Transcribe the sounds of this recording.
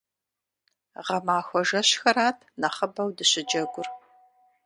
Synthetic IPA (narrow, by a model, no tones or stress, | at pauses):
ʁɐmaːxʷɔʒɐɕxɐɾaːtʰnɐχəbɐwdɨɕɪd͡ʒɐɡʷʊr